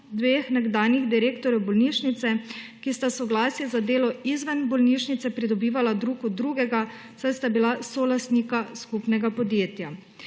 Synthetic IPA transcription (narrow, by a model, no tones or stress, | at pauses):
d̪ʋeːxnɛɡd̪aːniɣd̪iɾeːkt̪ɔɾjɔbɔlniːʃnit̪sɛkist̪asɔɡlaːsjɛzad̪eːlɔizʋənbɔlniːʃnit̪sɛpɾid̪ɔbiːʋalad̪ɾuːkɔd̪ɾuːɡɛɡa | sajst̪abilasɔlast̪nikaskupnɛɡapɔd̪jeːt̪ja